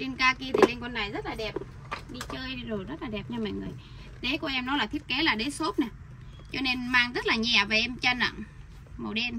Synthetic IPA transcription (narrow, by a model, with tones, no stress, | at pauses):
ɗi˧nkaː˧ki˧ət̪ʰi˨˩le˧nkɔ˧nːaː˨˩jzə˦˥t̚laː˨˩ɗɛ˨˩p̚ | ɗi˧t͡ɕəː˧jzo˨˩jzə˦˥t̚laː˨˩ɗɛ˨˩p̚ɲa˧ma̰ː˧˨jŋɨ˨˩əj | ɗe˨˦kɔ˧ʔɛ˧mnɔ˨˦laː˨˩t̪ʰi˦˥əp̚ke˨˦laː˨˩ɗe˨˦so˦˥p̚na˨˩ | t͡ɕɔ˧ne˧nmaː˧ŋzə˦˥t̚laː˨˩ɲɛ˨˩ve˨˩ʔɛ˧mt͡ɕa˧nə̰˧˨ŋ | mə˨˩wɗe˧n